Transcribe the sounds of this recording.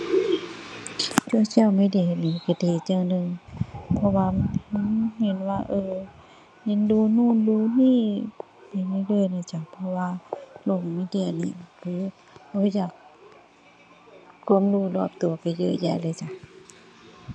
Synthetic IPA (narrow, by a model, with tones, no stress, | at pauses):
t͡ɕu˧˩ə˨sʰi˧˨wmiː˧˥˨di˧˩˨niː˧˩ka˧˩deː˨˧˩t̪̚t͡ɕaː˧˨nɯ˧ŋpʰɔ˧waː˧mhŋhe˧˦nwaː˧ʔɤː˧ | he˧˥˨nduː˧˦nuː˧˥˨nduː˧˨niː˧˥˨ | pa˨˩jma˧˩˨lɤː˧˨jna˧˩˨t͡ɕa˧˩pʰɔ˧waː˧˨lo˧˩ŋmiː˧˥˨di˧˩ə˨nḭː˧˩˨kʰɯː˨˦ | ka˧˩˦jaː˨˩k̚ | u˧əmluː˧˩lɔː˧˩p̚t̪u˨ɐpa˨jjɤ̰˧˨jɛ̰ː˧˩lɤː˧˨t͡ɕa˧˩